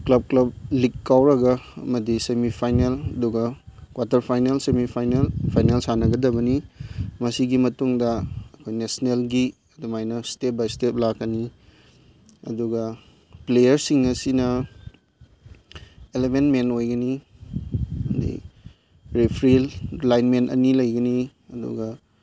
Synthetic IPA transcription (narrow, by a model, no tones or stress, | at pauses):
klɐb̚klɐb̚likːawɾɐɡɐɐ̰mɐdisemipʰajnelɐduɡɐkwatɐɾpʰajnelsemipʰajnelpʰajnelsanɐɡɐdɐbɐnimɐsiɡimɐtuŋdɐːkʰojnesnelɡi | ɐdumajnɐstep̚bajstep̚lakːɐni | ɐ̰duɡɐ | plejɐɾsiŋɐsinɐ | elemenmentojɡɐni | ɐdḭ | pɾepʰɾilːajnmentɐ̰nilɐjɡɐni | ɐdṵɡɐ